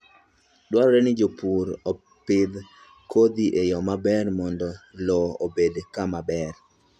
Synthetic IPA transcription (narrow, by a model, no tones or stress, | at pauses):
dwaɾɔɾɛnɪd͡ʒopuɾɔ | pɪd̪ | kod̪iʔejɔmabɛrmɔndɔlɔobedkamabɛr